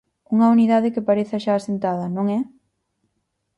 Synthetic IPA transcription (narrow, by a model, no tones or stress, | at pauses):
uŋɐuniðaðɪkɪpaɾeθɐʃaːsent̪að̞ɐnõŋɛ